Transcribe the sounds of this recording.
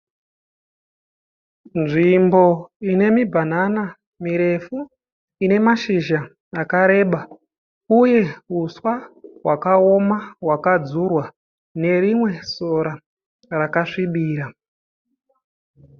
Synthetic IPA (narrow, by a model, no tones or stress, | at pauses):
nʐimbo̞ine̞mibʱanana | miɾe̞fu | ine̞maʃiʒa | akaɾe̞ɓa | uje̞uswaɦwʔakao̞mawakad͡zurwa | ne̞rimwe̞so̞ɾa | rakaʂiɓiːɾa